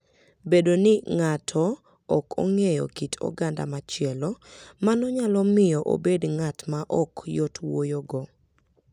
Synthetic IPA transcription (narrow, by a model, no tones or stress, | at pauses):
bedonɪŋatʰɔː | kʰo̰ŋejɔ̰kitʰɔ̰ɡanda̰mat͡ʃɪɛlɔmanɔɲalɔmɪjɔʔo̰bedŋatmaʔɔkjɔtwojoɡɔ